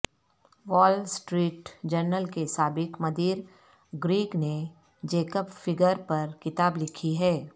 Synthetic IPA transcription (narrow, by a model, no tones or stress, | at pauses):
ʋɔːlsʈɾiːʈd͡ʒəɾnəlkesaːbɪkmɐd̪iːɾ | ɡɾiːkne | d͡ʒeːkəpfɪɡəɾpɐɾkɪt̪aːblɪkʰiɦɛː